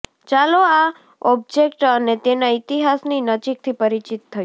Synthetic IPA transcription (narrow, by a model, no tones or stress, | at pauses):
t͡ʃaloa | ɔb̚d͡ʒekʈənet̪enait̪iɦasninəd͡ʒik̚t̪ʰipəɾit͡ʃit̪ʰːəj